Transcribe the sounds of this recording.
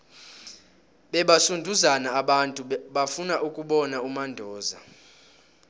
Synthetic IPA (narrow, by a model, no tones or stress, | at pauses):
ɓɛɓasundʱuzanaːɓantʼuɓafunaʔukʼuɓɔnaumandʱɔːza